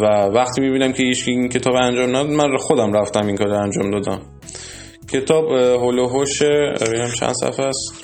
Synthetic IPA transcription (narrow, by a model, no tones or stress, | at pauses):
vævæχt̪ʰiːmibiːnæmcʰejit͡ʃincʰe̞t̪ʰɒːbænd͡ʒɒːmnæd̪ɒd̪mænxod̪æmɾæft̪æmiŋkʰɒːɾænd͡ʒɒːmd̪ɒːd̪æm | cʰe̞t̪ʰɒːbɦoloɦoʃeenæmt͡ʃʰæ̰nd̪̥sæ̰fæst̪